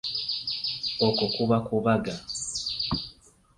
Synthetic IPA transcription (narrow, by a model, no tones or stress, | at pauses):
okokuβakuβaɡa